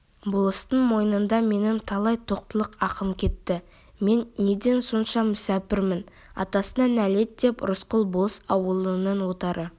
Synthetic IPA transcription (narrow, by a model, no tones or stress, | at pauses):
bolˠəst̪əɴmo̞jənənd̪ɑme̞nɪmt̪ʰɑlˠɑjt̪ʰo̞q̚t̪əlˠəqɑqəmkʲʰe̞t̪ːɪ | me̞nːe̞d̪e̞nso̞nʃɑmʏsæpɪɾmɪn | ɑ̰t̪ɑsənɑnæle̞t̪̚d̪e̞pɾʊsqəlˠbolˠəsɑwəlˠənənwo̞t̪ɑɾʔə